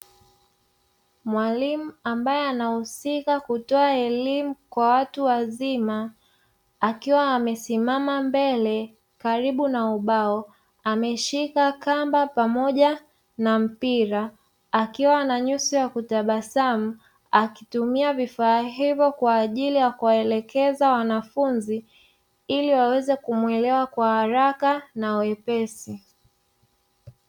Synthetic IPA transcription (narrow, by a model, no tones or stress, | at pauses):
mwalimuambajɛanahusikakutɔaɛlimukwawatuwazimaː | kiwaːmɛsimamambɛlɛ | kaɾiɓunauɓaɔ | amɛʃikakambapamɔʄa | nam̩piɾaː | kiwanaɲusijakutaɓasam̩ | akitumiavifaːɦivjɔkwaːʄilijakuwaɛlɛkɛzawanafunzi | iliwawɛzɛkumwɛlɛwakwahaɾakanawɛpɛsi